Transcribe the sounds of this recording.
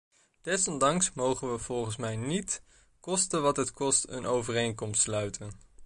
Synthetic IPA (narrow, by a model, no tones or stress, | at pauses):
d̥ɛsɔndɑŋksmowχənʋəv̥ɔlˠχənsmɛjnit | kɔstənʋɑtɦətkɔstə̰nʔowvərejŋkɔmstslœɥtʰən